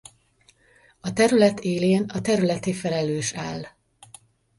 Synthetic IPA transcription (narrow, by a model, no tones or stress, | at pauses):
ɒt̪ɛɾylɛt̪ʰeːleːnɒt̪ɛɾylɛt̪eːfɛlɛløːʃaːlː